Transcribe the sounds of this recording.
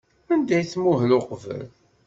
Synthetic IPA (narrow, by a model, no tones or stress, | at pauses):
ænd̪æjθmuɦəloqvə̰l